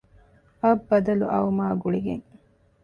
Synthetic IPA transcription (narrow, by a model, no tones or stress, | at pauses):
ɐbːɐd̪ɐlṵʔɐ̰umaːɡuɭiɡḛŋ